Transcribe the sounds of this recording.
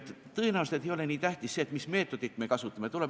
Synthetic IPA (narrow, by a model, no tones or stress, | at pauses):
t̪ːˑ | t̪ːɤ̞enæust̪et̪ejo̞le̞niːt̪æht̪isseːt̪ːmisme̞ːt̪ːˑo̞d̪̥it̪ːˑme̞kɑsut̪ːˑɑmet̪ule